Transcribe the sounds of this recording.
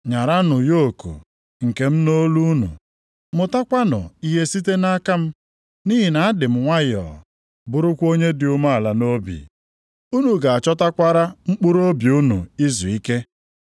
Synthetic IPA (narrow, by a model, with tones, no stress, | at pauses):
ɲa˨ɾa˦nʊ˨jo˦˨kṵ˨ | ŋ̩˨ke˨m̩˦no˦lu˦nṵ˨ | mʊ˨ta˦kʷa˦nʊ̰˨i˦ɦe˦si˦te˦na˦ka˦m̩˦ | ni˦ɦi˨na˨a˦dɪ˨m̩˨ŋʷa˦jɔ̰˨ | bʊ˨ɾʊ˦kʷo˦ɲe˦dɪ˨ʊ˦ma˦a˨la˨no˦bḭ˨ | u˦nu˨ɡa˨a˨t͡ʃɔ˦ta˦kʷa˦ɾa˦ŋ͡m̩˦k͡pʊ˦ɾo˦bi˨u˦nṵ˨i˦zu˨i˦ke˦